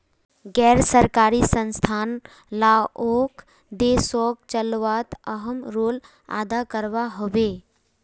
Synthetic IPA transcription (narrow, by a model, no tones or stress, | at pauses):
ɡɛːɾsəɾkaːɾisə̃nst̪ʰaːn | laoːk | d̪eːsɔːk̚t͡ʃəlʋaːt̪əɦəmɾoːl | a̰ːd̪akəɾʋaɦoʋeː